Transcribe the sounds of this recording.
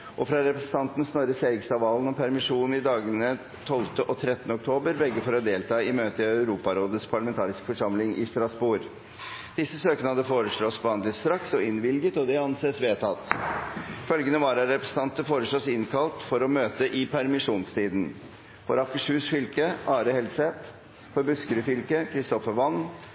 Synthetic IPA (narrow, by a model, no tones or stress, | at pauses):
ʔɔfɾɑɾɛpɾɛsən̩t̪ʰɑnt̪n̩snɔɾəseːɾɪkst̪ɑːʋɑːlnɔmpʰæɾmɪʂuːnn̩ɪd̪ɑːɡənə | t̪ʰɔlt̪əʔɔt̪ʰɾɛt̪ənəɔk̚t̪ʰoːbəɾʋɛɡːəfɔɾɔd̪eːlt̪ʰɑːɪmøːt̪əɪœʉɾuːpɑɾoːd̪ətspʰɑɭɑmɛnt̪ʰɑːɾɪskə̥fɔʂɑmlɪŋʔɪ̰st̪ɾɑsbuːɾ | d̪̥ɪsːəsøːkənəhɑd̪əfoːɾəʂɭɔsbɑnd̪lɪst̪ɾɑksɔɪnʋɪlɡət̪ɔd̪ɛɑnseːsʋeːt̪ʰɑt̪ | fœlɡənəʋɑɾæɾɛpɾɛsn̩ɑnt̪əfoːɾəʂɭosɪnkʰɑlt̪fɔɾɔmøːt̪əʔɪpʰæɾmɪʂuːnst̪ʰiːd̪n̩ | fɔɾɑfkəʂʉːsfʏlkəɑːɾəhɛlsɛt̪ | fɔɾbʉskəɾʉfʏlkəkʰɾɪst̪ɔfəɾʋɑnː